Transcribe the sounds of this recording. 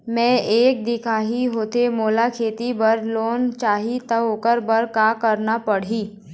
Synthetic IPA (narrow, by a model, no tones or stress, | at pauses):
mɛ̃ːeːk̚d̪ɪkʰaːɦiɦoːt̪emoːlakʰeːt̪ibɐɾloːnt͡ʃaːɦit̪əboːkəɾbəɾkaːkəɾnapɐɽ̤iː